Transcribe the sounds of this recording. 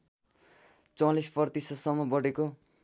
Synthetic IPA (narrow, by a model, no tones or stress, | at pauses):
t͡sʌlispʌrt̪isʌt̪sʌmːʌbʌɽeko